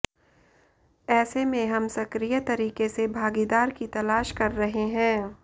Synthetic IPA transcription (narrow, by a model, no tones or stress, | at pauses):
ɛːsemẽɦɐmsɐkɾijət̪ɐɾiːkesebʱaːɡid̪aːɾkit̪ɐlaːʃkɐɾːɐɦeɦɛ̃ː